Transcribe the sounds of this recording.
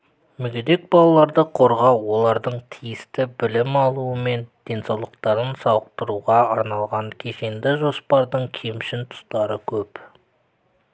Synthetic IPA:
mʏɡʲed̪e̞k̚bɑlˠɑlˠɑɾd̪əqʰo̞ɾʁɑwo̞lˠɑɾd̪əɴt̪ʰijɪst̪ɪbɪlɪmɑlˠuəme̞nd̪̥e̞nsɑwlˠəq̚t̪ɑɾənsɑwəq̚t̪əɾuʁɑɑɾnɑlˠʁɑɴkʲʰeʃe̞nd̪ɪʒo̞spɑɾd̪əɴkʲʰemʃɪnt̪ʰʊ̥st̪ɑɾəkʲʰɵp

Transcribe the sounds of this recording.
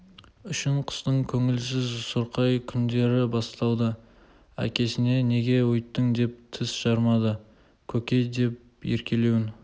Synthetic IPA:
ʏʃɪɴqʰə̥st̪əɴkʲʰɵŋɪlsɪzsəɾqɑjkʲʰʏnd̪e̞ɾɪbɑst̪ɑwd̪ə | æ̰kʲʰe̞sɪne̞ne̞ɡʲe̞wʊjt̪ːəŋd̪e̞p̚t̪ʰɪsʒ̥ɑɾmɑd̪ə | kʲʰɵkʲe̞jd̪e̞p̚ | je̞ɾkʲʰe̞le̞wɪn

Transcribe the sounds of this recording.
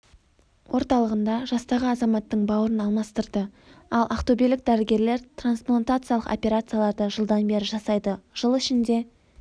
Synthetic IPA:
wʔo̞ɾt̪ɑlˠəʁənd̪ɑʒɑst̪ɑʁəɑzɑmɑt̪ːəɴbɑwəɾənɑlˠmɑst̪əɾd̪ə | ɑlˠʔɑqt̪obilɪk̚d̪æɾɪɡʲe̞ɾle̞ɾt̪ransplˠant̪at̪sɨjalˠəqo̞̰pʲe̞ɾat̪sɨjalˠɑɾd̪əʒəlˠd̪ɑnbe̞ɾɪʒɑsɑjd̪əʒ̥əlˠɪʃɪnd̪e̞

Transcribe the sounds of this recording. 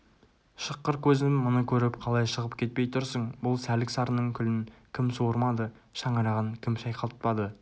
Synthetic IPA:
ʃəqːəɾkʲʰɵzmːʊnəkʲʰɵɾɪpqʰɑlˠɑjʃəʁəp̚kʲe̞t̪̚pe̞jt̪ʰʊɾsəɴbʊlˠsælɪksɑɾənəɴkʲʰʏlɪŋkʲʰɪmsoɾmɑd̪ə | ʃɑɴəɾɑʁəɴkʲʰɪmʃɑjqʰɑlˠt̪̚pɑd̪ə

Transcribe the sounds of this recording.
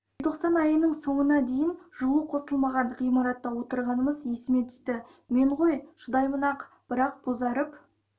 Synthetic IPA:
t̪ʰo̞qsɑnɑjənəɴso̞ɴənɑd̪e̞jɪnʒuəqʰo̞səlˠmɑʁɑɴʁijmɑɾɑt̪ːɑwo̞t̪əɾʁɑnəməzje̞sɪme̞t̪id̪ɪ | me̞ɴʁojʒ̥ʊd̪ɑjmənɑq | b̥ɪɾɑq̚b̥ozɑɾəp

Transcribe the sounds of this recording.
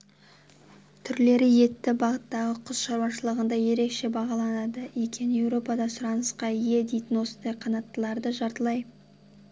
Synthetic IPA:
t̪ʰʏɾle̞ɾɪje̞t̪ːɪbɑʁət̪ːɑʁəqʰʊz̥ʃɑɾwɑʃəlˠəʁənd̪ɑje̞ɾe̞kʃe̞bɑʁɑlˠɑnɑd̪əekʲʰe̞nɪje̞wɾo̞pɑd̪ɑsʊɾɑnəsqɑije̞d̪e̞jt̪ɪnwo̞sənd̪ɑjqʰɑnɑt̪ːəlˠɑɾd̪əʒɑɾt̪əlˠɑj

